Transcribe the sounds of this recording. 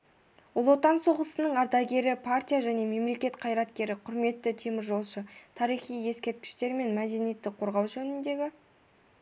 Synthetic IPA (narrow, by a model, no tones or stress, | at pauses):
wolˠo̞t̪ɑnso̞ʁəsənəɴɑɾd̪ɑɡʲe̞ɾɪpʰart̪ʲijaʒæne̞me̞mle̞kʲe̞t̪qʰɑjɾɑt̪kʲe̞ɾɪqʰʊɾme̞t̪ːɪt̪ʰe̞mɪɾʒo̞lˠʃət̪ʰɑɾijχijje̞skʲe̞ɾt̪̚kʲɪ̥ʃt̪e̞ɾme̞nmæd̪e̞nije̞t̪ːɪqʰo̞ɾʁɑwʒɵnɪnd̪e̞ɡʲɪ